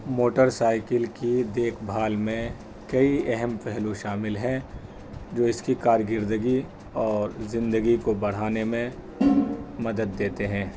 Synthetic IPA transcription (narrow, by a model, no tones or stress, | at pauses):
moːʈəɾsaːɪkəlkid̪eːkʰbʱaːlmẽ | kɐiɛɦɛmpɛɦlõʃaːmɪlɦɛ̃ | d͡ʒoːɪskikaːɾjɡɪɾd̪əɡi | ɔːɾzɪ̃nd̪əɡikobɐɽ̤aːnemẽ | mɐd̪əd̪ːeːt̪eɦɛ̃ː